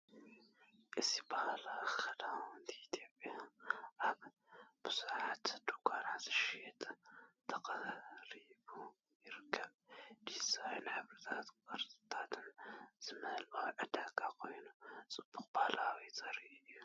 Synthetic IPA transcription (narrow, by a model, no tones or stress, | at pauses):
ʔɨzibahlaxɐlawnd̪iit̪ʰopʼjaʔaβ | b̥ɨsʕat̪d̪okʰanat̪ɨʃet̪ʼt̪ʰɐqʼɐɾibu | jɪɾɨkʰːɐbd̪izajnħɨβɾɨt̪ʰat̪kʼɨɾt̪t̪ʰat̪ʰɨnz̥ɨmɐlʔaʕɨd̪akʼakʰo̞jnusʼɨbːuxbahlawt͡sʼɐɾiɨʔju